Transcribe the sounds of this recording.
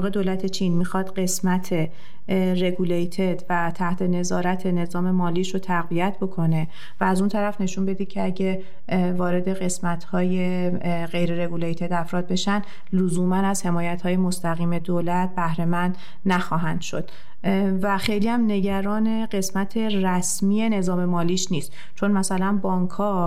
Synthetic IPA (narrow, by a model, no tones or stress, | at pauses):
ɣe̞d̪oːlæt̪ʰe̞t͡ʃʰinmixɒːd̪ɢe̞smæt̪ʰe̞ | re̞ɡulejt̪ʰed̪væt̪ʰæht̪ʰe̞ne̞zɒːɾæt̪ʰe̞ne̞zɒːme̞mɒːliːʃot̪ʰæɣvijæt̪ʰbo̞kʰo̞ne̞ | væːzunt̪ʰæɾæfne̞ʃunbe̞d̪iːd̪̥̚cʰeæɟe | vɒːɾe̞d̪e̞ɣe̞smæt̪ʰhɒːjeɢe̞jɾeɾe̞ɡulejt̪ʰeɾd̪æfɾɒːd̪̚be̞ʃænd̪ | luzuːmænæz̥he̞mɒːjæt̪hɒːje̞mo̞st̪æɣiːme̞d̪oːlæt̪̚bæhɾe̞mænd̪̥ | næxɒːɦænd̪̥ʃo̞̰d̪̥ | væxe̞jliːæmne̞ɟæɾɒːne̞ɢe̞smæt̪ʰe̞ɾæsmiːe̞ne̞zɒːme̞mɒːliːʃniːst̪ | t͡ʃʰo̞nmæsælænbɒːŋkʰɒː